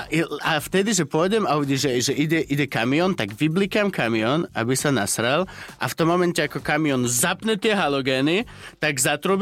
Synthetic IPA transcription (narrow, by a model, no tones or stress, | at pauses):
aft̪ɛd̪iʒɛpʊɔjɟɛmauɟiʒɛʒɛʔiɟɛʔiɟɛkamiɔnt̪aɡʋiblikamkamiɔna̰bisana̰sɾɛlʔa̰ft̪ɔmːɔmɛncɛakɔkamiɔnzapɲɛt̪ɪɛɦalɔɡɛːni | t̪aɡzat̪ɾub